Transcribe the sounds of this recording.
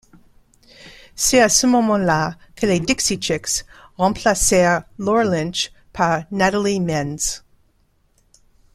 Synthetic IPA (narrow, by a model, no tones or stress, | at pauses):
sɛtasəmɔmɑ̃lakʰəledɪksit͡ʃɛksʁɑ̃pʰlasɛʁlɔɹlɛ̃nʃ | pʰaʁnaɾəlimɛnz